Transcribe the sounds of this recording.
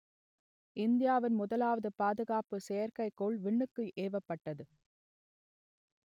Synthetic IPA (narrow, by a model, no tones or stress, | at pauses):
ʔɪnd̪ɪjaːʋɪnmʊðɐlaːʋɐðɯpaːðɯɣaːpɯsɛjɐɾkɐɪkːoːɭʋɪɳːɯkːɯʔeːʋɐpːɐʈːɐðɯ